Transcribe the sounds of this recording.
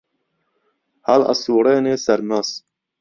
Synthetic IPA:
halɑ̰suːɾeːneːsæɾmas

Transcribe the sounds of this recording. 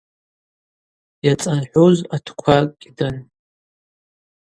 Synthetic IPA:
jat͡sʼanħʷozatʰkʷʰakʲʼdɨn

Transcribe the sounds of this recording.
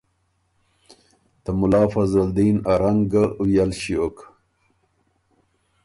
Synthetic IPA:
t̪əmulaːfazald̪inaɾaŋɡəujalɕiok

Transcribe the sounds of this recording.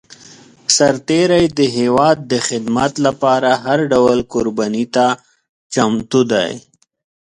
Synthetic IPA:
saɾt̪eɾajd̪əɦewɑːd̪ːəxɪd̪mat̪lapɑɾaɦaɾɖawəlkʊɾbanit̪a | t͡ʃamt̪ud̪a̰j

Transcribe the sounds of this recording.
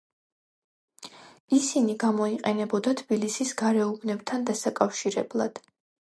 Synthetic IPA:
isiniɡamɔiqʼɛnɛbɔd̪at̪ʰb̥ilisisɡaɾɛubnɛbt̪ʰand̪asakʼafʃiɾɛblˠa̰d̪̥

